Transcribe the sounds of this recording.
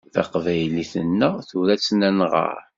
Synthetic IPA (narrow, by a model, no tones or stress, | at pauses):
θɑ̰qvæjliθənːəʁθuɾæt͡sːnænʁə̰ɾ